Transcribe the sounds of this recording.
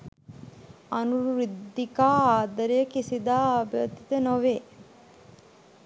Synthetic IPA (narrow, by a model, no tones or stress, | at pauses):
ɐnuɾid̪ːikaːaːd̪ɐɾijəkisid̪aːabjɐd̪it̪ənoʋeː